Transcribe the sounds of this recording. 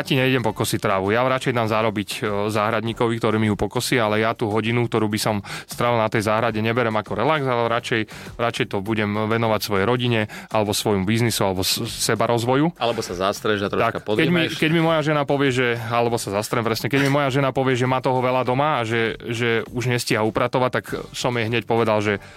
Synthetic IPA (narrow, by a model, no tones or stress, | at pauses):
jaciɲɛiɟɛmpɔkɔsit̪ɾaːʋujaɾat͡ʃɛjd̪aːmzaɾɔbiczaːɦɾad̪ɲiːkɔʋikt̪ɔɾiːmiɦupɔkɔsialɛjat̪uːɦɔɟinukt̪ɔɾuːbisɔmst̪ɾaʋilnat̪ɛjzaːɦɾaɟɛɲɛbɛɾɛmakɔɾɛlaɡzalɛɾat͡ʃɛj | ɾat͡ʃɛjt̪ɔbuɟɛmʋɛnɔʋacsʋɔjɛɾɔɟiɲɛalɛbɔsʋɔjmubiznisualɛbɔsɛbaɾɔzʋɔjualɛbɔsazast̪ɾɛʒat̪ɾɔt̪akapɔd̪kɛimikɛɟmimɔjaʒɛnapɔʋɪɛʒɛalɛbɔsazast̪ɾɛmpɾɛsɲɛkɛɟmimɔjaʒɛnapɔʋɪɛʒɛmaːt̪ɔɦɔʋɛlad̪ɔmaːʒɛʒɛuʒɲɛsciɦaupɾat̪ɔʋat̪ːaksɔmjɛɦɲɛcpɔʋɛd̪alʒɛ